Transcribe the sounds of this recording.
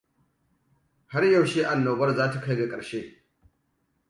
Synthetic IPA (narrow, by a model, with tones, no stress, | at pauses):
ha˦ɾjɐ˨wʃeː˦ʔa˨nːoː˨bɐ˦rzaː˦ta˨ka˦jɡa˨kʼɐ˨ɽʃeː˦